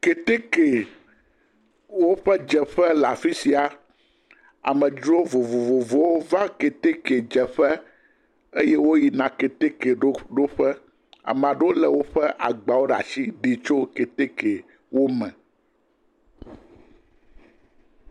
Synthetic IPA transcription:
ke˨t̪e˦ke˨ | wo˦ɸɛ˦d͡ʒɛ˨ɸɛ˦la˨fi˦si˨a˨ | a̰˨mɛ̃˨d͡ʒu˦o˦vo˨vo˨vo˨vo˦wo˦vã˦ke˨t̪e˦ke˨d͡ʒɛ˨ɸɛ˦ | e˦jɛ˦wo˦ji˨nã˨ke˨t̪e˦ke˨ɖo˦ɖo˦ɸɛ˦ | a̰˨m̃˨ã˨ɖe˦o˦lɛ˨wo˦ɸɛ˦ʔa̰˨ɡ͡ba˨wo˦ɖa̰˨si˦ɖi˨t͡ʃo˦ke˨t̪e˦ke˨ | wo˦mɛ̰̃˨

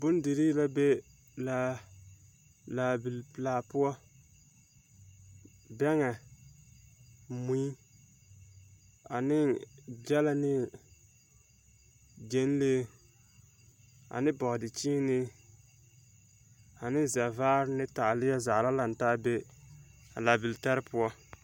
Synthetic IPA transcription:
bʊ˦n˦di˨ɾi˦la˦be˦ | la˦ | laː˨bi˨lplaː˨pʊ˦ɔ˦ | bɛ˦ŋɛ˨ | mu˦i˦ | a˨nɪ˦d͡ʒɛ˦la˦nɪ˦ | d͡ʒe˨˦n˦leː˦ | a̰˨nɪ˦bɔ˨hdɪ˨t͡ʃiː˦nɪ˦ | a˨nɪ˦zɛ˨vaː˦ɾɪ˦nɪ˦ta˨lɪ˦jɛ˦za˨la˦la˨n˨ta˦be˦ | a˨laː˨bi˨ltɛ˦ɾɪ˦pʊ˦ɔ˦

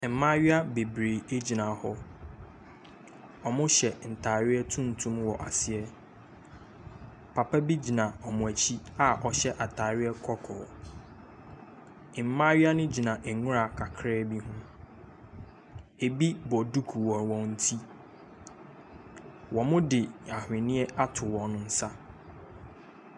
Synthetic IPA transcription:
m̩˨mã˦ɥɪ˦a˦be˨bɾe˨e˦d͡ʑi˨nã˨hɔ˦ | ɔ˨mʊ̃˦ɕɛ˨n̩˨tʰaː˨ɾɪ˦ɛ˦tʰũ˦n˨tʰũ˦mwɔ˨ʔa̰˨sɪ˨ɛ˦ | pʰa˨pʰa˦bi˦d͡ʑi˨nã˨ɔ˨mʊ̃˨æ˨t͡ɕʰi˦a˨ʔɔ˨ɕɛ˦ʔa˨tʰaː˨ɾɪ˦ɛ˦kʰɔ˦kʰɔ̰ː˨ | ɪ˨m̩˦mã˦ɥi˦a˦nʊ̃˦d͡ʑi˨nã˨ʔɛ˨ŋʊ̃˦ɾa˨kʰa˨kʰɾɛː˦bi˦ɦʊ̃˦ | e˨bi˦bɔ˨du˦kʰu˨wɔ̃˨nwɔ̃˨n̩˦tʰi˦ | wɔ̃˨mʊ̃˦dɪ˨a˨hɪ̃˨nɪ̃˦ɛ˦ʔa˦tʰʊ˨wɔ̃˨nʊ̃˦n̩˦sa˦

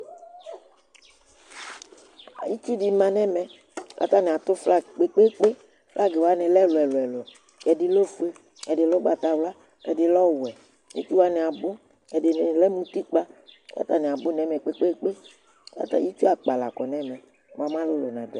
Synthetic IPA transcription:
a̰˨ji˦t͡ʃu˦di˦mã˨nɛ̃˦mɛ̃˨ | lʔa̰˦t̪a˦nɛ̃˨a˨t̪ʊ˦fla˦k͡pe˦k͡pe˦k͡pe˦ | fla˦ɡe˨wa˦nɛ̃˨lɛ˦lo˨ɛ˨lo˨ɛ˨lo˨ | ɛ˨di˦lo˦fu˦e˦ | ɛ˨dɪ˨lɔ˦ɡ͡ba˨t̪a˨wla˦ | ɛ˨dɪ˨lɔ˦wu˨ɛ˨ | ḭ˦t͡ʃu˦wa˦nɛ˨a˨bʊ˦ | ɛ˨de˨n˨lɛ˦mũ˦t̪i˦k͡pa˦la̰˦t̪a˦nɛ˨a˨bʊ˦nɛ˨˦mɛ˨k͡pe˦k͡pe˦k͡pe˦ | la̰˦t̪a̰˨ji˦t͡ʃu˦a˨k͡pa˨la̰˨kɔ˨nɛ˦mɛ̃˨ | wo̰˨a˨mã˦lʊ˦lo˨nã˨dɛ˨

